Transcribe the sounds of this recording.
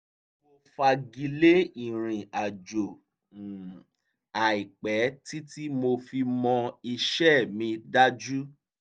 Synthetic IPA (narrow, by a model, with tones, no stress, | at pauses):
mmo˧fa˧ɡi˧le˦i˨ɾ̃ĩ˨a˨d͡ʒo˨ | a˨i˨k͡pɛ˨˦ti˦ti˦mo˧fi˧mɔ̃˧i˧ʃɛ˦mĩ˧da˦d͡ʒu˦